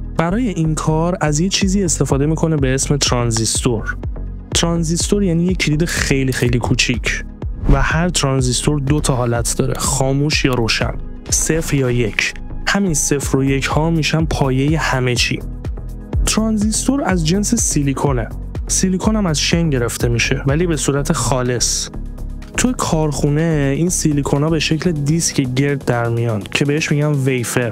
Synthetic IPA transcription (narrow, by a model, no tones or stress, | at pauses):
b̥æɾɒːje̞ʔinkʰɒːɾæzjet͡ʃʰiːziːe̞st̪e̞fɒːd̪e̞miːkʰo̞nebe̞esme̞t̪ʰɾɒnzist̪oɾ | t̪ʰɾɒnzist̪oɾjæːniːjecʰːiliːd̪exe̞jlixejliːkʰuːt͡ʃʰicʰ | væhæɾt̪ʰɾɒnzist̪o̞ɾd̪ot̪ʰɒɦɒːlæt̪ʰd̪̥ɒːɾe̞̰xɒːmuːʃjɒːɾoːʃæ̰n | sefɾjɒːjecʰ | hæminse̞fɾoje̞cʰhɒːmiːʃænpʰɒːje̞je̞hæmet͡ʃʰḭː | t̪ʰɾɒnzist̪o̞ɾæzd͡ʒe̞nsesilikʰo̞ne | silikʰonæmæzʃeŋɟe̞ɾe̞ft̪ʰe̞miːʃe̞væliːbe̞suːɾæt̪ʰe̞xɒːle̞s | t̪ʰujekʰɒːɾxuːne̞insilikʰo̞nɒːbe̞ʃe̞cʰled̪iscʰeɟe̞ɾd̪ːæɾmijɒːncʰe̞beheʃmiɟænvejfe̞ɾ